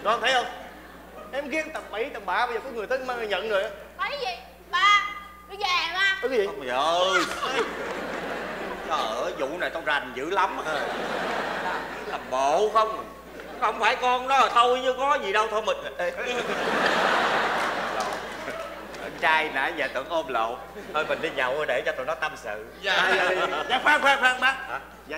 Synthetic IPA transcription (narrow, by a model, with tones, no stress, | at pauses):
ɗɔ˨˦˨ŋ͡mt̪ʰə˦jhə˧wŋ͡m | ʔɛ˧˩mɣi˧˦ənt̪ə˨˩p̚ɓi˧˩˦t͡ɕə˨˩mɓa̰ː˧˨ɓaː˧jzəː˨˩kɔ˨˦jŋɨ˨˩ət̪ʰə˨˦˧ma˧a˨˩ɲə̰˧˨nzo˨˩jʔa˨˦ | a˨˦zi˨ | ɓaː˧˨˧ | zɛ˨˩˨ɓaː˧˩ə˨˦zi˨˧˨zə˨˩j | ŋ͡mt͡ɕɔ˧˩ʔəː˧˩zʊ̰˧˨naː˨˩jt͡ɕɔ˧wŋ͡mza˨˩nzɨ̰˧˥la˨˦mə˧˩˧ | t̪aː˧˩a˨˦la˨˩mɓo̰˧˨xə˧wŋ͡m | xə˧˩wŋ͡mfaː˧˩jkɔ˧nnɔ˨˦˨t̪ʰo˧wjt͡ɕɨ˧˦kɔ˨˦zi˨˩ɗə˧wt̪ʰo˧jmi˨˩n˨˧˨ | lo̰˧˨ | ʔə̰˧˩nt͡ɕaː˧jna̰ː˧˨˩zaː˨˩t̪ɨ̰˧˩əŋʔo˧mlo̰˧˨ | ʔəː˧jmï̟˨˩ɗi˧ɲa˨˩wʔə˧jɗe˧˩t͡ɕɔ˧t̪o̰˧˨nɔ˨˦t̪ə˧msɨ̰˧˨ | a˧˩˧zaː˨˦faː˦˥k̚faː˨˦˥k̚faː˧ŋɓaː˧˦˥